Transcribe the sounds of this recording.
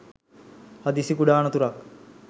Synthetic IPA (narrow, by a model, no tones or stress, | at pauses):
had̪isikuɖaːnət̪uɾak